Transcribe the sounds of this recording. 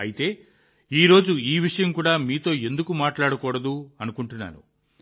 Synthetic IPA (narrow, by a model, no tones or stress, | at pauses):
ɐ̰jit̪e̞ː | iːɾo̞ːd͡ʒuiːʋiʂɐjɐmkuːɽaːmiːt̪o̞ːe̞nd̪ukumaːʈlaːɽɐkɔːɽɐd̪uɐnukuɳʈunːa̰ːɾṵ